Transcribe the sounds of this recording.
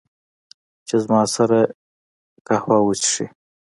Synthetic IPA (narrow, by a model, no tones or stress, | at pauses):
t͡ʃezmɑsaɾa | kahwɑwut͡ʃʂḭ